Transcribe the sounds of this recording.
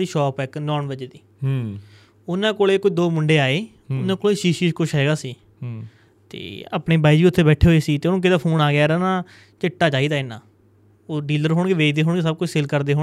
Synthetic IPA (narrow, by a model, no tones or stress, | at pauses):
iːʃɔːpɛknɔːnʋəd͡ʒeːd̪iː | ʊnãːkoːleːkʊid̪oːmʊɳɖeːaːeː | ʊnãːkoːleːʃiːʃiʃkʊt͡ʃʰɦɛːɡaːsiː | t̪ḛːa̰ːpneːbaːiːd͡ʒiːʊt̪ʰːeːbɛːʈʰeːɦoːeːsiːt̪eːʊnõːkɪd̪aːpʰoːnaːɡjaːɾanãː | t͡ʃɪʈːaːd͡ʒaːiːd̪aːɪnã̰ː | oːɖiːləɾɦoːɳɡeːʋeːd͡ʒd̪eːɦoːɳɡeːsəb̚kʊt͡ʃʰsɪlkəɾd̪eːɦoː